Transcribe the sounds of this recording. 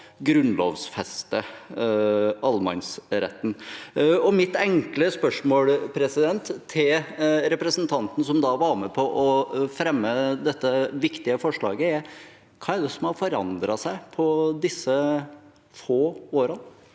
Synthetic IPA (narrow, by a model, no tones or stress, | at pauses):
ɡɾʉnlo̰ːʋsfɛst̪ə | ɑlmɑ̰nsɾɛ̰t̪ːn̩ɔmɪt̪ɛŋkləspœʂmoːlpʰɾɛsɪd̪ɛnt̪ʰːɪlɾɛpɾəsnt̪ʰɑnt̪ən̩sɔmd̪ɑʋɑɾmɛpʰɔʔɔfɾɛmːəd̪ɛt̪ːəʋɪkt̪ɪəfɔʂɭɑ̰ːɡəɛɾ | kʰɑːɛɾɖ̪ɛsɔmhɑɾfɔɾɑ̰nd̪ɾɑsæɪpʰɔd̪ɪsːə | foːoːɾən